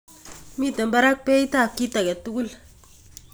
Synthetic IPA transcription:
mi˦˨te˨mba˦ɾa˦k̚pe˦i˦ta˦˨kːi˦ta˨ɡe˨tːu˦ɡu˦l

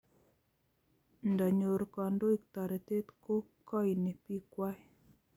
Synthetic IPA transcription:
nda˨ɲo˨ɾkɔ˨ndo˦i˦k̚t̪a˨ɾe˨t̪e˦t̪ko˦kɔ˦jne˨pi˦kwa˦i

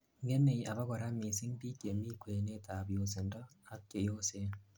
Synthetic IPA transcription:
ŋɡe˦ne˨ʔa˨βa˦ɣo˨ɾa˦mi˨si˦ŋbi˦ke˨mi˦kwe˨ne˦ta˨βjo˨se˨nda˦a˦ke˨jose

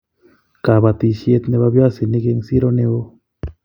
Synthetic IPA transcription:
ka˨βa˧t̪i˧sje˧t̪ne˧βa˧βja˦si˨ni˦˧ɡe˧ŋsi˦ɾo˧ne˧o˦

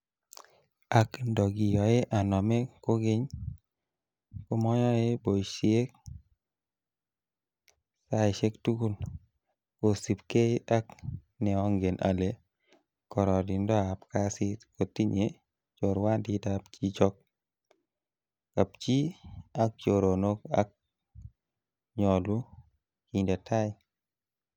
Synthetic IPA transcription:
a˨kndɔ˨ɡi˨jɔ˨e˦ʔa˨nɔ˨me˦ko˦ɡɪ˦ɲ | ko˦mɔ˦ɲɔ˦je˦bo˨i˨ʃie˦k̚ | sa˦ɪ˨ʃe˦ktu˦ku˦l | ko˨si˨pke˦a˦k | nɛ˨ɔ˦ŋɡe˨nʔa̰˨le˨ | kɔ˨ɾɔ˨di˨ndɔ˦a˨pka˦si˦tko˨ti˦ɲe | t͡ʃo˨ɾwa˦ndi˦dapt͡ʃi˦t͡ʃɔ˦k̚ | ka˨pt͡ʃi˦a˨k̚t͡ʃo˨ɾo˨no˦ka̰˦k̚ | ɲɔ˨lu˦ | ki˨nda˨ta˦ɪ

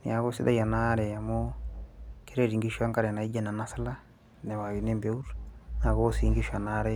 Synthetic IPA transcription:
nḭ˨ja˨ɡo˦si˦da̰˦ja˨naɾɛ˨a˨mo | ki˦ɾe˦ɾi˨ŋɡi˦ʃua˦ŋka˦ɾe˨na˨i˦d͡ʒa˦˨na˨na˦sa˦la˦ | ne˨wa˨ɡi˨ne˦mbe˦u˦ɾna˨ɡo˦si˨˦ŋɡi˦ʃa˨na˦ɾɛ˦

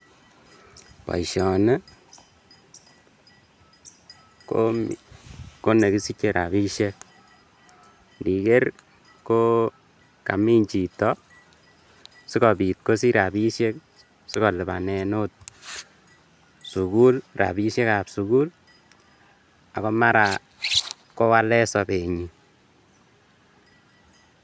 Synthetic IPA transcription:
pa̰˨iʃɔ˨ne˦ | ko | ko˦ne˨ki˦si˦ke˨ɾa̰˨bi˦ʃe˦k̚ | ndi˨ke˦r | ko˦ | ka̰˨mi˦ɲt͡ʃi˨tɔ˦ | si˦kɔ˨bi˨t̚ko˦si˦ɾa˨bi˦ʃe˦k | si˦kɔ˨lɪ˨ba̰˨nɛ˨no˦t̚ | su˨ku˦lra̰˨bi˦ʃe˦ka˨psu˨ku˦l | a˨kɔ˦ma˦ɾa˨ | ko˦wa˦lɛ˦sɔ˨pe˨ɲi˨

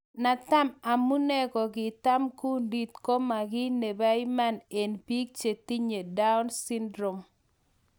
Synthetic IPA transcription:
na˨t̪a˦ma˨mu˦ne˦ɡɔ˨ɡɪ˨t̪a˦mku˦ndi˨t̪ko˦ma˨ɡɪ˦ne˨ba˦i˦ma˦˨ne˨npi˦k̚t͡ʃe˨ti˦ɲe˨da˦ʊ˦nsi˦ndɾo˨m

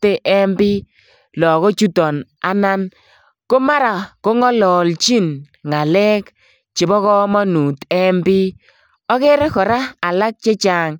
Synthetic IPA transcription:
te˦ʔɛ˦mbi˦ | lɔ˨ɣɔ˦t͡ʃu˦tɔ˨n | a̰˦na˦n | ko˦ma˦ɾa˨ko˦ŋɔ˦lɔ˨lt͡ʃi˦n | ŋa˨lɛ˦k | t͡ʃɪ˨bɔ˦kɔ˦mɔ˦nu˨tɛ˦mbi˦ | ɔ˦ke˦ɾe˦kɔ˨ɾa˦a˨la˦k̚t͡ʃe˦t͡ʃa˨ŋ

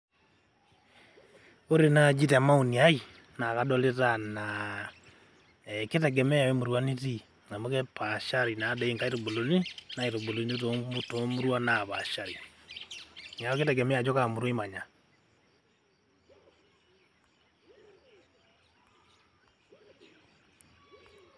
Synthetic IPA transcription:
o˦ɾe˦nad͡ʒi˦ta˨ma˦u˨ni˨ai˦ | na˨kadɔ˦letana | ɛketɛɡɛmɛ˦ja˨wɛmo˨ɾwani˦ti˦ | ŋa˨mo˦kɛpaʃaɾi˨nadɛ˨i˨ŋka˦i˦ɾo˨bo˨lo˨ni˦naiɾo˨bo˨loni˦o˦tomoto˨mu˦ɾwa˦naβaʃaɾi | ŋa˨ɔketɛɡɛmɛ˦a˨d͡ʒɔkamu˨ɾwimaɲa˨

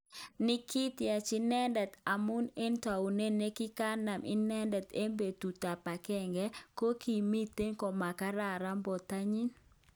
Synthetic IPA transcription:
nɪ˦ki˦tja˨t͡ʃɪ˦nɛ˦ndɛ˨t̪a˨mu˦ne˦nta˨u˨ne˦ne˦kɪ˦ka˦na˨mʔɪ̰˦nɛ˦ndɛ˨t̪e˦mbe˨tu˨ta˨pa˨kɛ˨ŋɡɛ˦ko˦ki˨mi˦t̪e˦nkɔ˨ma˨ka˦ɾa˦˨ɾa˦mbɔ˨t̪a˦ɲi˦n

